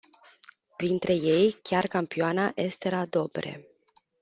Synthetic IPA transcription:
pɾint̪ɾe̞je̞jkʲarkampioanaʔe̞st̪e̞ɾad̪o̞bɾe̞̰

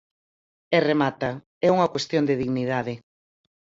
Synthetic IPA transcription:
ɛremat̪ɐ | ɛuŋɐkwest̪jond̪ɪðiɣniðaðɪ

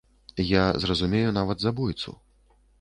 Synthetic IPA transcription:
jazrɐzumʲejunavɐd̪zabujt̪sṵ

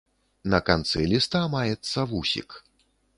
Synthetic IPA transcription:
nɐkant̪sɨlʲist̪amajɛt̪sːɐvusʲḭk

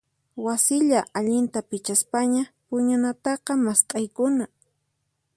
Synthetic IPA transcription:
wasɪʎaʔaʎɪnt̪apɪt͡ʃaspaɲapʊɲʊnat̪ɑqɑmast̪ʼajkʊna

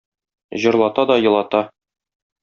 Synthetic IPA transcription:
ʑɤ̆ɾlˠɑt̪ɑd̪ɒjɤ̆lˠɑt̪ɑ

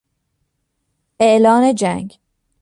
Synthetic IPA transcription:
ʔeʔlɒːne̞d͡ʒæŋɡ

